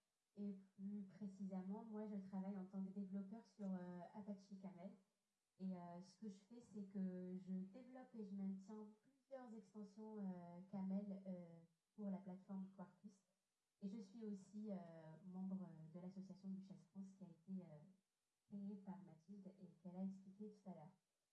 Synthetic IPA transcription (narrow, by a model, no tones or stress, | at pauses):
eplypχesizemɑ̃mwaʒət̪χavajɑ̃t̪ɑ̃kəd̪evlɔpœʁsyʁøapaʃikamɛl | eøsə̥kəʒəfɛsɛkəʒəd̪evlɔpeʒəmɛ̃t̪jɛ̃plyzjœʁzɛkst̪ɑ̃sjɔ̃økamɛlø | puʁlaplat̪fɔʁmkwaʁpys | eʒəsɥiosiømɑ̃bʁəd̪əlasɔsjasjɔ̃d̪yʃasfχɑ̃skʲiaet̪eø | ejepaʁmat̪ʰild̪ekɛlaɛksplikʲet̪u̥t̪alœːʁ